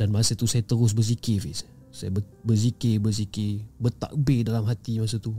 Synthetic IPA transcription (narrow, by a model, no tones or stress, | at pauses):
danmasat̪usajat̪əɾʊs̬bəs̬ikefɪs | sajabə | bəzikɪbəsikɪbət̪a̰ʔbedalamɦat̪imas̬ət̪u